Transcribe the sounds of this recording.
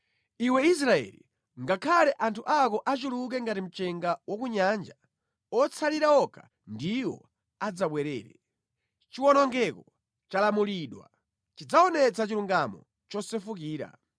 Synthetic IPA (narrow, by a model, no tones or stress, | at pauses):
iwɛis̬ɾaɛ̰lḭ | ŋɡakʰalɛʔantʰuʔakɔʔat͡ʃuluk̬ɛŋɡatim̩t͡ʃɛŋɡawɔkuɲand͡ʒa | ɔt͡sʰaliɾaɔkʰa̰ | ndiwɔ̰ | ad͡zaɓwɛɾɛ̰ːɾɛ̰ | t͡ʃiwɔnɔŋɡɛkɔ | t͡ʃalamuliɗwa̰ | t͡ʃid͡zaɔnɛt͡sat͡ʃiluŋɡamɔ̰ | t͡ʃɔsɛfukiːɾa̰